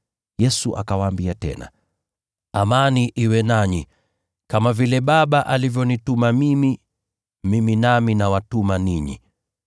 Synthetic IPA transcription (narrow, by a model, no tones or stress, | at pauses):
jɛsuʔa̰kawaːmbiatɛ̰na̰ | amaniʔiwɛnaɲi | kamavilɛɓaɓaʔalivjɔnitumamimi | miminaminawatumaniɲḭ